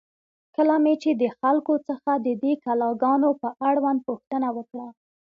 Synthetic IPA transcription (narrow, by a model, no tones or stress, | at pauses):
kəlamet͡ʃed̪əxalkot͡səxad̪əd̪ekalɑɡɑnopəʔaɽwand̪̚puxt̪ənawəkɽa